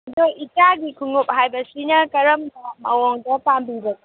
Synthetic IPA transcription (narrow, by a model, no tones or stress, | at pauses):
ɐdoʔit͡ʃaɡikʰuŋop̚ɦajbɐsinɐkɐɾɐmdɐmɐwɔŋdɐpambibɐki